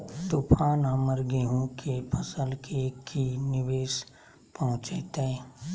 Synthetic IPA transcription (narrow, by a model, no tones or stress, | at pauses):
t̪ʊpʰaːnaːməɾɡeɦõkʰepʰəsəlkʰekinɪʋeːʃ | pɐɦʊ̃t͡ʃeːt̪ẽ